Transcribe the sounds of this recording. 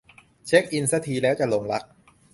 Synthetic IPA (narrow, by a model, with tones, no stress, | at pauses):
t͡ɕʰe˦˥k̚ʔi˧nsa˧˥t̪ʰiː˧lɛː˦˥wt͡ɕa˨˩lo˧ŋla˦˥k̚